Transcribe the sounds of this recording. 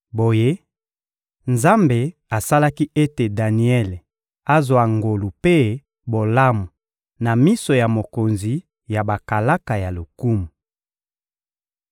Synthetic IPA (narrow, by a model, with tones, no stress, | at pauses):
bo˨je˦ | nza˦mbe˨a˨sa˦la˦ki˦ʔe˦te˨da˨ni˨˦ɛ˦le˨ | a˦zwa˨ŋɡo˨lu˨pe˦ | bo˨la˦mu˨ | na˨mi˦so˨ja˨mo˨ko˨nzi˨ | ja˨ba˨ka˨la˦ka˨ja˨lo˨ku˦mu˨